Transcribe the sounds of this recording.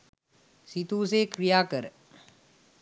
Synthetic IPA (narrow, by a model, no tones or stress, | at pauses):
sit̪ũs̬ekɾijaːkəɾ